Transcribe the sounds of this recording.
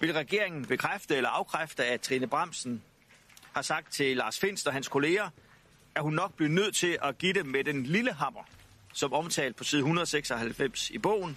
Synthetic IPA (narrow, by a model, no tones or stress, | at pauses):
ʋe̝lʁaɡ̥e̝ɐeŋn̩b̥e̝kʰʁafd̥əelɐɑ̈ʊkʰʁafd̥əæt͡sʰʁinəb̥ʁɑ̈m̰sn̩ | hɑ̈sɑ̈ɡ̥d̥̚t͡sʰe̝lɑ̈ːsfe̝n̰sd̥ɒ̽ɦænskʰo̝le̝ːɐ | æɐhunːɒ̽ɡ̥̚b̥linøð̞̰ˠt͡sʰe̝ʔæɡ̥id̥emːed̥enliləɦɑ̈m̰ɐ | sɒ̽mɒ̽mt͡sʰɛ̰ːld̥̚pʰɒ̽siːð̞ˠhunɐðˠɒ̽seɡ̥sɒ̽hælfem̰sib̥ɔ̰̽ʊ̰n̩